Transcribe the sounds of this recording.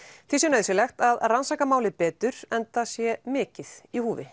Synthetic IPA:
θisjɛnaðɪsɛlɛxt̪aðransaːkamaːwlɪpɛːt̪ʏɾ̥ɛnt̪asjɛmɪːcɪθihuːvɪ̰

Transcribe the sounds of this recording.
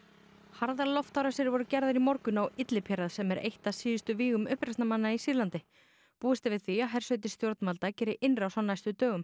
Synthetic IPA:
haɾðalɔft̪awɾasɪɾvɔɾʏcɛɾðaɾimɔɾkʏnawɪt̪lɪpʰjɛɾaðsɛmɛɾʔḛjht̪asiːɪst̪ʏviːɣʏmʏhpɾɛsnamanːaisiːðlant̪ɪ | puːðɪst̪ɪvɪðθiaɦɛr̥sœɥt̪̬ɪ̥st̪jowɾt̪nmalt̪acɛːɾɪʔɪnrawsawnajst̪ʏt̪œːɣʏm

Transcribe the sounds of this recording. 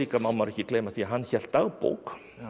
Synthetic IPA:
iːkamamːaɾɛhcːɪklejmaθiaɦanːçɛl̥t̪aɣpo̰wk

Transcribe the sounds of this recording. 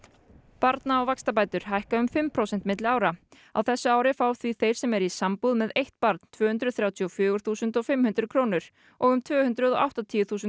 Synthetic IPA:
paɾt̪naawvakst̪ap̬aːjt̪ʏɾ̥ɦajhkaʏmfɪmpʰɾowsɛn̥t̪mɪt̪lɪaːwɾa | a̰wθɛsːʏaːwɾɪfaːwθviθejɾ̥sɛmɛɾisampuðmɛðejht̪paɾt̪n̥t̪ʰvœːʏnt̪ɾʏðθɾjaːwt̪ʰiɔfjœːɣʏɾ̥θuːsʏnt̪ɔɣfɪmhʉnt̪ɾʏkʰɾoːwnʏɾ̥ | ɔɣʏmt̪ʰvœːhʏnt̪ɾʏðɔʔa̰wht̪at̪ʰiːjʏθuːsʏn

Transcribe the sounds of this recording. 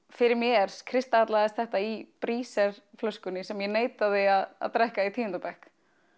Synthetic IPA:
fɪɾɪɾmjɛɾ̥kʰɾɪst̪aat̪laːðɪst̪θɛht̪aipɾiːsɛɾ̥flœskʏnːɪsɛmjɛneːjt̪aðɪaða̰ðt̪ɾɛhkait̪ʰiːʏnt̪pɛhk

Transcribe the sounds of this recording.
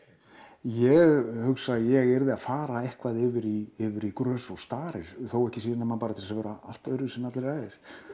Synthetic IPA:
jɛɣhʏksaðjɛɣɛɾðɪafaːɾaehkvaðɪvɪɾiɪvɪɾikɾœːsɔst̪aːɾɪɾ̥θowɛhcɪsiːðanamanpaːɾat̪ʰɪlsavɛːɾaal̥t̪œɥɾʏsɛmat̪lɾaːjɾɪɾ̥

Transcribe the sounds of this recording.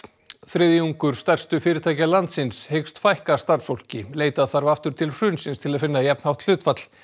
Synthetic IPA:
θɾɪðjuŋkʏɾ̥st̪ɛr̥st̪ʏfɪːɾɪt̪ʰaːjcalant̪sɪnshejkst̪fajhkast̪aɾsfowl̥cɪleːjt̪aðθaɾvaft̪ʏɾ̥t̪ʰɪlr̥ʏːnsɪnst̪ʰɪlaðfɪnːajɛpnhawht̪l̥ʏːt̪fat̪l̥

